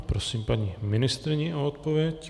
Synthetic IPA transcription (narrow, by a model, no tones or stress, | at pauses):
pɾosiːmpaɲimɪnɪst̪ɾɪɲɛʔoot̪̚povjɛc